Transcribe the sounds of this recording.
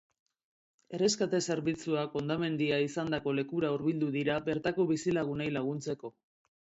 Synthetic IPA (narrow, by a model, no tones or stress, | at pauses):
e̞re̞skat̪e̞se̞ɾβit͡suako̞nd̪ame̞nd̪iaisand̪ako̞le̞kuɾauɾβild̪uðiɾaβe̞ɾt̪ako̞βisilaɣ̞unejlaɣ̞unt͡se̞ko̞